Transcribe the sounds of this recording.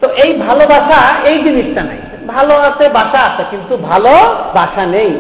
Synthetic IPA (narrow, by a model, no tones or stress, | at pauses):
t̪oʔejbʱalobaʃaejd͡ʒiniʃʈ̪ana̰j | bʱaloasʰebaʃaːsʰakint̪ubʱalobaʃanej